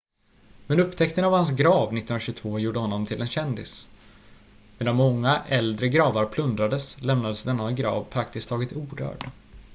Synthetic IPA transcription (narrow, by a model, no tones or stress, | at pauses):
mɛnɵpːt̪ʰɛkt̪ənavhans̬ɡɾɑːvnɪt̪ːnnɾaɕɵɡt̪ʰvoːjuːɖəhɔnːɔmt̪ʰɪlɛnɕɛnd̪ɪ̰s | meːd̪anmɔŋːaʔɛld̪ɾəɡɾɑːvaɾpʰlɵnd̪ɾad̪əslɛmnad̪əsd̪ɛnːaɡɾɑ̰ːvpʰɾak̚t̪ɪskt̪ʰːɑːɡɪt̪uːɖœ̰ːɖ